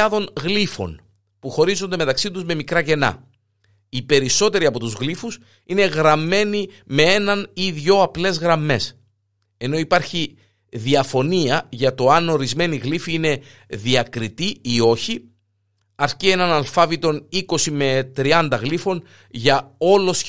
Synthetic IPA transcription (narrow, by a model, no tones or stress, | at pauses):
ɐðo̞nɣlifo̞̰n | puxo̞ɾizo̞nd̪e̞me̞t̪ɐksit̪uzme̞mikɾɐce̞nɐ̰ | ipe̞ɾiso̞t̪e̞ɾiɐpo̞t̪uzɣlifus | ine̞ɣɾɐmːe̞ni | me̞e̞nɐniðʝo̞ɐple̞zɣɾɐmːe̞s | e̞no̞ipɐɾçi | ðiɐfo̞niɐʝɐt̪o̞ɐno̞ɾizme̞niɣlifiine̞ðiɐkɾit̪iio̞çi | ɐɾcie̞nɐnɐlfɐvit̪o̞niko̞sime̞t̪ɾiɐnd̪ɐɣlifo̞n | ʝɐo̞lo̞s